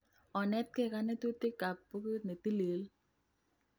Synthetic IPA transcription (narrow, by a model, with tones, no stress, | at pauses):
ɔ˨nɛ˦t̪̚kɛ˦˨ka˦nɛ˦t̪u˦t̪ɪ˦ka˨pːo˦ku˦ne˨t̪i˦le˨˦l